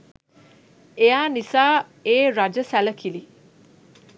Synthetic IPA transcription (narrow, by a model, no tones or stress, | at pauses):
ejaːnisaː | eːɾad͡ʒəsæləkʰili